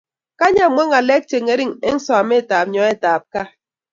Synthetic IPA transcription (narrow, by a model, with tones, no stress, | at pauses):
ka˦ɲa˦˨mʷe˦ŋa˨lɛ˦k̚t͡ʃe˨ŋe˦ɾi˦ŋḛ˦ŋ̩˦sɔ˨a˨me˦˨taː˨p̚ɲɔ˨˦e˦taː˨p̚ka˦